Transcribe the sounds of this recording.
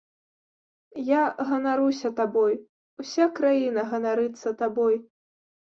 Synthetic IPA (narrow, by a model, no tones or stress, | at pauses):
jaɣɐnaɾusʲɐt̪abɔj | wsʲakɾajinɐɣɐnaɾɨt̪sːɐt̪abɔj